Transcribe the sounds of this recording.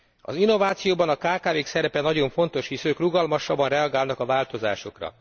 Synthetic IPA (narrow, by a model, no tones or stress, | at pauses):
ɒ̰zinːo̞vaːt̪sijoːbɒnɒkaːkaːveːksɛɾɛpɛnɒɟo̞ɱfo̞nt̪o̞ʃhisøːkruɡɒlmɒʃɒbːɒnrɛɒɡaːlnɒkɒvaːlt̪o̞zaːʃo̞krɒ̰